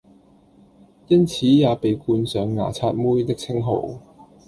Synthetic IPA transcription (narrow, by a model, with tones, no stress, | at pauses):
jɐ˥nt͡sʰiː˨˥jaː˨˧pe˨jkuː˧nsœː˨˧ŋːa̰ː˨˩t͡sʰaː˧t̚muː˥jt̪ɪ˥k̚t͡sʰɪ˥ŋɦo̰˨˩w